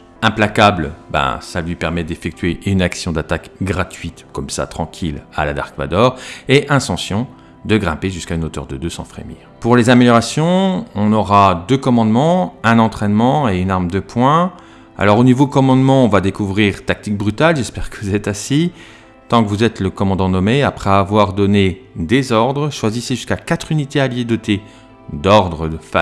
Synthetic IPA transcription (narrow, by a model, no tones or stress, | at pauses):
ɛ̃plakablbɛ̰̃salɥipɛʁmɛd̪efɛk̚t̪ɥeʔynaksjɔ̃d̪at̪akɡʁat̪ɥit̪kɔmsa̰t̪χɑ̃kʲʰila̰lad̪a̰ʁkva̰d̪ɔʁeʔɛ̃sɑ̃sjɔ̃ | d̪əɡʁɛ̃peʒyskaynot̪œ̰ʁd̪əd̪øsɑ̰̃fχḛmḭʁpuʁlezameljɔʁasjɔ̃ɔ̃nɔʁad̪økɔmɑ̃d̪mɑ̃ɛ̃nɑ̃t̪χɛnmɑ̃eynaʁmd̪əpwɛ̃ | a̰lɔʁonivodkɔmɑ̃d̪mɑ̃ɔ̃vad̪ekuvʁiʁt̪ak̚t̪ik̚bʁyt̪alʒɛspɛʁkəvuzɛt̪asi | t̪ɑ̃kəvuzɛt̪ləkɔmɑ̃d̪ɑ̃nɔmeapχɛavwaʁd̪ɔned̪ezɔʁd̪ʁəʃwaziseʒyskakat̪χynit̪ealjed̪ɔt̪ʰe | d̪ɔʁd̪ʁəfa